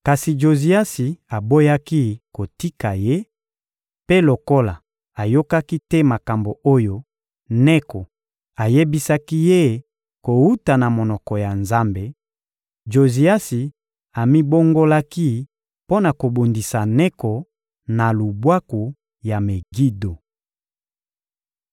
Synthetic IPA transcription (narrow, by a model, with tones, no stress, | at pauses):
ka˨si˨d͡ʒo˨zi˨˦a˦si˨a˨bo˦ja˦ki˦ko˨ti˦ka˨je˦ | pe˦lo˨ko˦la˨ | a˨jo˦ka˦ki˦tɛ˦ma˨ka˨mbo˨o˦jo˦ | nɛ˦kɔ˨ | a˨je˦bi˦sa˦ki˦je˦˨ | ko˨wu˦ta˨na˨mo˨nɔ˨kɔ˨ja˨nza˦mbe˨ | d͡ʒo˨zi˨a˦si˨ | a˨mi˦bo˦ŋɡo˦la˦ki˦ | po˦na˨ko˨bo˨ndi˨sa˨nɛ˦kɔ˨ | na˨lu˨bwa˦ku˨ | ja˨me˨ɡi˦do˨